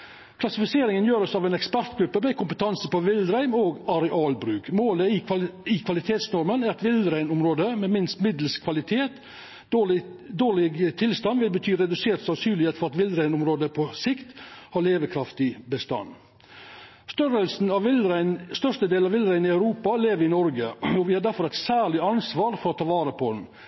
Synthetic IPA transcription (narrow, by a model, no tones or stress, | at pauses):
kʰlɑsɪfɪseːɾɪŋənjøːɾɔsɑːʋɛeːnɛkspæɾt̪ɡɾʉpːəmɛɪkʊmpət̪ʰɑnsəpɔʋɪld̪ɾæɪmoːɡɑɾɛʔɑːlbɾʉːkmoːləɪɪkʰʋɑlɪt̪ʰeːt̪snɔɾmənæɾɑt̪ʋɪlɾæɪnʊmɾoːd̪əmɛmɪnst̪mɪd̪lskʰʋɑlɪt̪ʰeːt̪ | d̪oːɭɪɡt̪ʰɪlst̪ɑnʋɪlbət̪ʰyːɾɛd̪ʉseːt̪sɑsyːlɪheːt̪fɔɾɑt̪ʋɪld̪ɾæɪnʊmɾoːd̪əpʰɔsɪkt̪hɑːɭeːʋəkʰɾɑft̪ɪbəst̪ɑ̰nː | st̪œɾəlsn̩ɑʋɾɪnst̪œʂt̪əd̪eːlɑʋɪld̪ɾæɪnɪɑʉɾuːpɑleːʋəɾɪnɔɾɡəɔʋɪhɑɖæɾfɔɾæɪt̪sæːɭɪɑnsʋɑːɾfɔɾɔt̪ʰɑːʋɑːɾəpʰɔd̪n̩